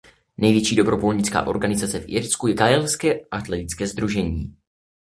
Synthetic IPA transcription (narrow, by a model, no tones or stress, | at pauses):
nɛjvjɛt͡ʃiːdo̞bɾo̞volɲɪt͡ska̰ːʔo̞̰ɾɡanɪzat͡sɛfʔɪɾskujɛɡaɛlskɛːʔaʔat̪lɛt̪ɪt͡skɛːzd̪ɾuʒɛɲḭː